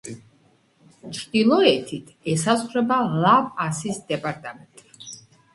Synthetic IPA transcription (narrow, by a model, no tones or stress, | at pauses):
t͡ʃʰɾd̪̥ilˠɔɛt̪ʰit̪ʰɛsasχɾɛbalapasisd̪ɛpʼaɾt̪ʼamɛnt̪ʼ